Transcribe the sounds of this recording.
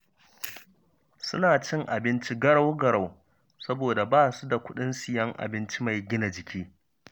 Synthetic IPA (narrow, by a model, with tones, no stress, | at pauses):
sʊ̰˦naː˨t͡ʃɪ˦ŋʔa˨bɪ˦nt͡ʃi˦ɡɐ˦ɽa˦wɡɐ˨ɽa˨w | sɐ˦boː˨da˨baː˦˨su˦da˨kʷʊ˦ɗɪ˦nsɪ˨jɐ˦ŋʔa̰˨bɪ˦nt͡ʃi˦ma˨jɡʲɪ˦na˨d͡ʒɪ˨kʲʰiː˦